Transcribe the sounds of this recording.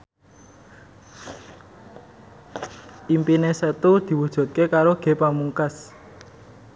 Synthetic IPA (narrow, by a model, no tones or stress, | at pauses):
ʔimpinesət̪ud̪̥i̤wud̥ʒ̥ɔ̤t̪̚kekaɾoɡ̥e̤pamuŋkas